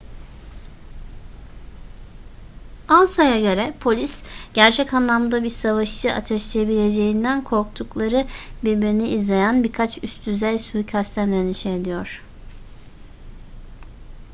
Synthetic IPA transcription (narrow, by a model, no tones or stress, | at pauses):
alˠsajaɟø̞ɾɛpʰo̞lʲisɟ̥æɾt͡ʃʰɛcanlˠamd̪abiɾsavaʃt͡ʃɯʔa̰t̪ʰɛʃlʲijebilʲe̞d͡ʒejind̪ænkʰo̞ɾk̚t̪ʰuklˠaɾɯbiɾbiɾniːzlʲe̞jænbiɾkʰat͡ʃʰyst̪ʰyzɛjsujcʰast̪ʰænd̪eniʃɛːd̪ijoɾ̥